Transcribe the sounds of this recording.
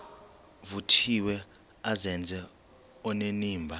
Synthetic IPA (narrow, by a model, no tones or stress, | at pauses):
vutʰiwɛ | azɛnd͡zʱɛ | ɔneniːmbʱa